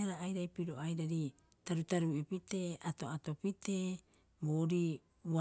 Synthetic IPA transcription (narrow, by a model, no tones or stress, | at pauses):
aɾaːjɾajpiɾo̞ajɾaɾi | taɾutaɾuipite̞ʔato̞ato̞pite̞ː | boːɾi | ua